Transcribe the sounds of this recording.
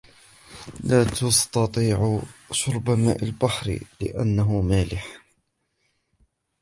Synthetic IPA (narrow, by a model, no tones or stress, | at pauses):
laːt̪ɑst̪ɑt̪ˤiːʕʊʃʊɾˤbama̰ːʔalbaħɾ̰lɪ̰ʔa̰nːaɦʊmaːlɪħ